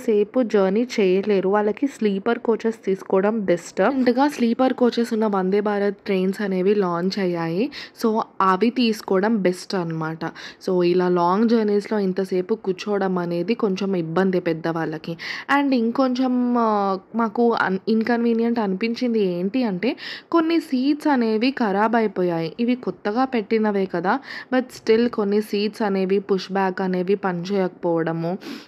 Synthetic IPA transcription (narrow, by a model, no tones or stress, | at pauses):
se̞ːpud͡ʒɐːɾniːt͡ʃɛːjɐleːɾuʋaːɭːɐkisliːpɐɾkoːt͡ʃɐst̪iːsu̥kɔːɽɐmbesʈnd̪ɐɡaːsliːpɐɾkoːt͡ʃɐsunːɐʋɐnd̪eːbaːɾɐt̪ːɾeːnsɐne̞ːʋilaːnt͡ʃɛjaːjiso̞ːɐʋit̪iːsu̥kɔːɽɐmbe̞sʈɐnːɐmaːʈɐso̞ːilaːlaːŋɡd͡ʒɐːɾniːslo̞ːint̪ɐse̞ːpukut͡ʃɔːɽɐmɐne̞ːd̪iko̞ɲt͡ʃemibːɐnd̪ipɛd̪ːɐʋaːɭːɐkiɐɳɖiŋko̞ɲt͡ʃem | maːkuɐinkɐnʋiːnjɐɳʈɐnupiɲt͡ʃind̪ie̞ːɳʈiɐɳʈe̞ːko̞nːisiːʈsɐne̞ːd̪ikɐɾaːbɐjpoːjaːjiʔiʋikot̪ːɐɡaːpe̞ʈːinɐʋe̞ːkɐd̪aːbɐʈsʈilko̞nːisiːʈsɐne̞ːʋipuʂbaːkɐne̞ːd̪ipɐnt͡ʃɛːjɔkɐ̥pɔːʋɐɽɐmu